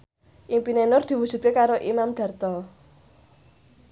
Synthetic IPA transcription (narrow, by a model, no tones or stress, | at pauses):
ʔimpinenʊrd̪̥i̤wud̥ʒ̥ṳt̪̚kekaɾoʔimamɖ̥a̤rt̪ɔ